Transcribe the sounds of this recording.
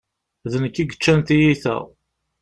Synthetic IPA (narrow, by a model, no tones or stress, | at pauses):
ðənəkːiɡət͡ʃːænt̪ijiθæ̰